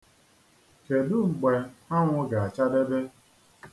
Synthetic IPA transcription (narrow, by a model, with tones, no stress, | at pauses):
ke˨dʊ˦ŋ͡m̩˨ɡ͡be˨a˦ŋʷʊ˦ɡa˨a˨t͡ʃa˦de˦be˦